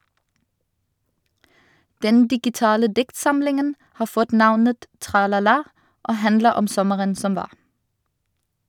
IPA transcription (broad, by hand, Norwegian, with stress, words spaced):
ˈdɛn dɪɡɪˈtɑːlə ˈdɪktˌsɑmlɪŋən ˈhɑː ˈfɔt ˈnɑʋnət tʁɑlɑˈlɑː ˈʔoː ˈhændləʁ ˈɔm ˈsɔməʁən ˈsɔm ˈʋɑːʁ